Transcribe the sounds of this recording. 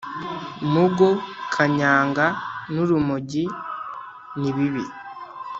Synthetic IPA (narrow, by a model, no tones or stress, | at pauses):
nuɡokʰaɲaːŋɡanuɾumuɟi | niβiβḭ